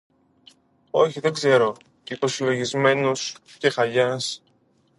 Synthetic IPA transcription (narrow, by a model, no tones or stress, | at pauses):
o̞çiðe̞ɡze̞ɾo̞ | ipo̞silo̞ʝizme̞nusce̞xɐʎɐs